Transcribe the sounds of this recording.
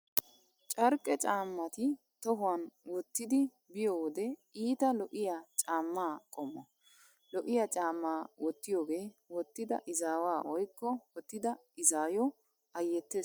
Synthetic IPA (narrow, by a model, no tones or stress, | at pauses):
t͡ʃʼɐɾkʼːɛt͡ʃʼaːmːɐt̪ɪ | t̪ɔɦʊwɐnwɔt̪ːɪd̪ɪ | bɪjowɔd̪ɛiːt̪ɐlɔʔɪjat͡ʃʼaːmːaːkʼɔmːɐ̰ | lɔʔɪjat͡ʃʼaːmːaːwɔt̪ːɪjoːɡe̞ːwɔt̪ːɪd̪ɐ̰ʔɪzaːwaːʔɔjkːɔwɔt̪ːɪd̪ɐ | ɪzaːjɔ | ɐjːɛt̪ːe